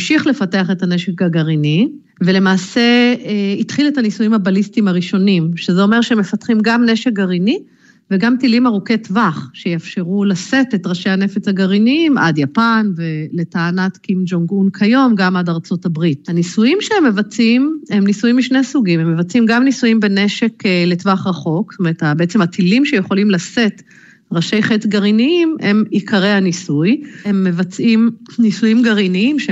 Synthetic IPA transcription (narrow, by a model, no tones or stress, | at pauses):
mʃiχle̞fateaχe̞tane̞ʃekɡaɡaʁini | vele̞maːse̞itχiletanisujimhabalistimaʁiʃo̞nimʃezeo̞meʁʃeemːe̞fatχimɡamne̞ʃek̚ɡaʁini | veɡamtilimaʁoke̞tvaχʃejafʃe̞ʁulase̞tetʁaʃejane̞fet͡shaɡaʁiniimʔa̰djapanve̞le̞taːnatkimd͡ʒoŋɡunkʰajo̞mɡamadaʁt͡so̞tabʁit̚hanisujimʃeemːe̞vat͡sime̞mnisujimːiʃnesuɡimemːevat͡simɡamnisujimbe̞neʃe̞kele̞tvaχʁaχo̞kstome̞ʁet̪abeet͡semhatʰilimʃe̞jeχo̞limlase̞t | ʁaʃe̞jχetɡaʁiniime̞mikʰaʁehanisujhemːe̞vat͡sʔimnisujimɡaʁiniimʃe